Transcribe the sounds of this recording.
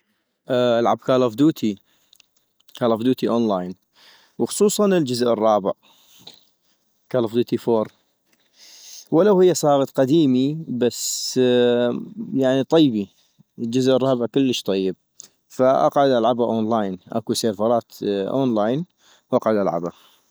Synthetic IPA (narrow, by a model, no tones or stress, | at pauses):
ʔʔalʕab̚kaːlafd̪uːt̪ʰi | kaːlafd̪uːt̪iʔoːnlaːjn | wxʊ̥sˤuːsˤɑnəld͡ʒʊzʔərˤːɑːbɪʕ | kaːlafd̪uːt̪ifoːɾˤ | wɪlawhɪjːasˤɑːɣɑt̪ˤqad̪iːmibas | jaʕnit̪ˤɑjːbi | əld͡ʒʊzʔərˤːɑːbəʕkəlːəʃt̪ˤɑjːəb̚ | faʔa̰qʕʊd̪ʔalʕabaʔoːnlaːjnʔa̰kuseːfɑɾˤɑːt̪ʔo̰ːnlaːjn | wʔɑqʕʊd̪ʔalʕa̰ba